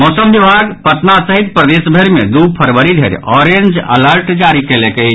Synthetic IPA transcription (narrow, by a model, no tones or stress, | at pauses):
mosəmbibʱaɡpət̪nasəɦit̪̚pɾəd̪esbʱəɾmḛd̪upʰəɾwəɾid̪ʱeɾɔɾend͡ʒə̰ləɾʈd͡ʒaɾikelekəi